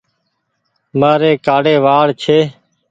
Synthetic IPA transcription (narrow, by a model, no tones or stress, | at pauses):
maːɾeːkaːɽeːʋaːɽt͡ʃʰeː